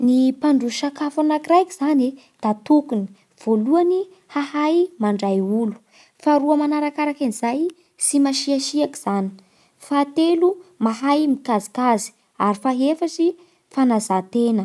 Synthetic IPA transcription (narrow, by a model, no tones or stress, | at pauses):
nipaɳɖ͡ʐuʃakafanakiɾajkiz̥ane | d̪̥at̪ukuni̥ | v̥oluani | hahajmaɳɖ͡ʐajulu̥ | faɾuamanaɾakaɾakinizaj | simaʃiaʃiaki̥z̥ani̥ | fat̪elumaɦajmikazi̥kazi̥ | aɾifaɦefasi | fanazat̪enə